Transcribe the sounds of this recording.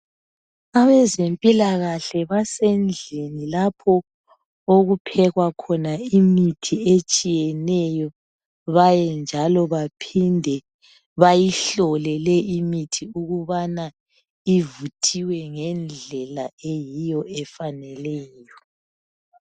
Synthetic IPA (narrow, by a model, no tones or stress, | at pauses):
aβɛzempʼilaɣaɬɛβasend͡ɮʱenilapʰɔ | oɣupʰɛɣwakʰɔnaimitʰiet͡ʃʼijɛnɛjɔ | βajɛnd͡ʒʱalɔβapʰindʱɛ | βajiɬɔlɛlɛʔimitʰiuɣuβana | ivutʰiwɛŋɛnd͡ɮʱɛlaejijɔɛfanɛlɛːjɔ